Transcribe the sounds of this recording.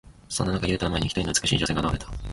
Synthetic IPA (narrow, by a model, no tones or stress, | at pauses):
so̞nːonakajɯːt̪amaḛɲḭçi̥t̪oino̟t͡sɨ̥kɯ̟ɕḭːʑo̞seɡanoaɾet̪ḁ